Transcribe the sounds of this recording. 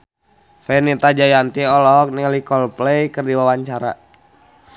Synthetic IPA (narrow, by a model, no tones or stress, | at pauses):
fɛnit̪ad͡ʒajant̪iɔlɔk̚nilikɔlplɛjkɨrdiwawaɲt͡ʃaɾa̰